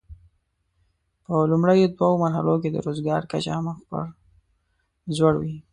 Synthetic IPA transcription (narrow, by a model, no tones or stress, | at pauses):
pəlumɽəjod̪wawomaɾɦa̰loked̪ə̰ɾozɡɑɾkat͡ʃaamaxpə̰ɾ | zwaɽwi